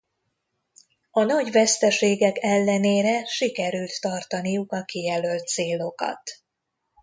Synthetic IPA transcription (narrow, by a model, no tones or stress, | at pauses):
ɒnɒɟvɛst̪ɛʃeːɡɛkɛlːɛneːɾɛʃikɛɾylt̪ːɒrt̪ɒnijukɒkijɛlø̞lt̪seːlo̞kɒ̰t̪